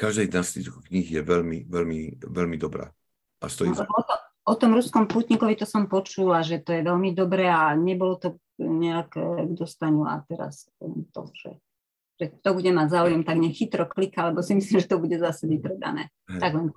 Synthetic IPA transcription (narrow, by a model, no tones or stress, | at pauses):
kaʒd̪ɛjznast̪it̪uxkɲiɣjɛʋɛlmiʋɛlmiʋɛlmid̪ɔbɾa̰ː | ʔa̰st̪ɔizɛɔt̪ɔ | ɔt̪ɔmɾuskɔmpuːt̪ɲikɔʋit̪ɔsɔmpɔt͡ʃulaʒɛt̪ɔjɛʋɛlmid̪ɔbɾɛːaɲɛbɔlɔt̪ɔ | ɲɛakɡd̪ɔst̪aɲua̰t̪ɛɾa̰s | ɛnt̪ɔ̰ʒ̥ɛ̰ | ʒ̥ɛk̚t̪ɔbuɟɛmaɟzaːujɛmt̪aɡɲɛxit̪ɾɔklikaalɛbɔsimislimʒɛt̪ɔbuɟɛzasɛbipɾɛd̪a̰nɛ̰ː | t̪aɡlɛn